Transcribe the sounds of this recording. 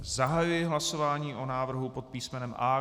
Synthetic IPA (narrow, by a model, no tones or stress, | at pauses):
zaɦajujɪɦlaso̞vaːɲiːʔo̞naːvr̩ɦupo̞t̪̚piːsmɛnɛmʔaː